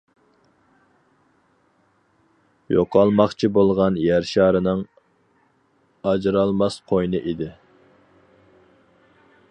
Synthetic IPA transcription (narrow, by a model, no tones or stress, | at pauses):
joqɑlˠmɑχt͡ʃʰibolˠʁɑnjæɾʃɑːɾɨnɨŋ | ɑd͡ʒɾɑlˠmɑsqʰojnɨʔid̪ɪ